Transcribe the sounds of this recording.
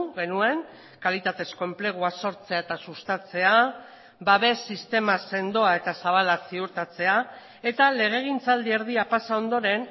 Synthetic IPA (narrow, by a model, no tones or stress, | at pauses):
ɣe̞nue̞ŋ | kalit̪at̪e̞sko̞e̞mple̞ɣ̞uaso̞ɾt͡se̞aet̪asust̪at͡se̞a | baβe̞sist̪e̞mase̞nd̪o̞ae̞t̪asaβ̞alasiuɾt̪at͡se̞a | e̞t̪ale̞ɣ̞e̞ɣ̞int͡sald̪ieɾð̞iapasao̞nd̪o̞ɾe̞n